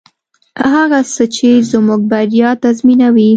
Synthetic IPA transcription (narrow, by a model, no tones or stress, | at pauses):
haɣasət͡ʃezmuɡ̚baɾjɑt̪azminawi